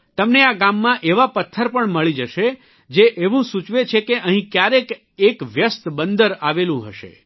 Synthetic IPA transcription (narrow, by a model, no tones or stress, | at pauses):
t̪əmneaɡamːãʔeʋapət̪ʰːəɾpəɳməɭid͡ʒəʃe | d͡ʒeʔeʋũsut͡ʃʋet͡ʃʰekeʔəɦĩkjaɾek | ekʋjəst̪bənd̪əɾaʋelũɦə̰ʃḛ